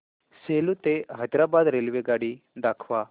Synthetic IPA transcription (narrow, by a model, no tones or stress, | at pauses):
selut̪eɦajd̪ɾabad̪ɾelʋeɡaɽid̪akʰʋa